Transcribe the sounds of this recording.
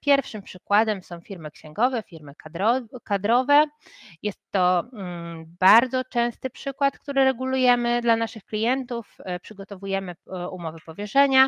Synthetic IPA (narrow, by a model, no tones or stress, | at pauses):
pʲjɛɾfʂɘmpʂɘkwad̪ɛmsɔ̃w̃fʲiɾmɘkɕɛ̃ŋɡɔvɛfʲiɾmɘkad̪ɾɔkad̪ɾɔvɛjɛst̪ːɔ | b̥aɾd̪zɔt͡ʂɛ̃w̃st̪ɘpʂɘkwat̪kt̪uɾɘɾɛɡulujɛmɘd̪lanaʂɘxklʲijɛnt̪ufpʂɘɡɔt̪ɔvujɛmɘumɔvɘpɔvʲjɛʂɛɲa